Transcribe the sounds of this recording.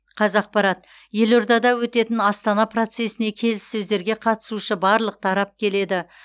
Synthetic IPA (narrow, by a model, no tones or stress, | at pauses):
qʰɑzɑq̚pɑɾɑt̪ | je̞lo̞ɾd̪ɑd̪ɑwɵt̪e̞t̪ɪnɑst̪ɑnɑpro̞t̪se̞sɪne̞kʲʰe̞lɪsːɵzd̪e̞ɾɡʲe̞qʰɑt̪ə̥suʃəbɑɾlˠəq̚t̪ʰɑɾɑp̚kʲʰe̞le̞d̪ɪ